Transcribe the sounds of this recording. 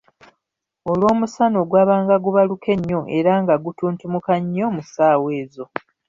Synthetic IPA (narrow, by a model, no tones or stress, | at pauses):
o̞lwo̞ːmusano̞ɡwaːβaːŋɡaɡuβalukʰe̞ɲːo̞ʔe̞ɾaːŋɡaɡutuːntumukaɲːo̞musaːwe̞ːzo̞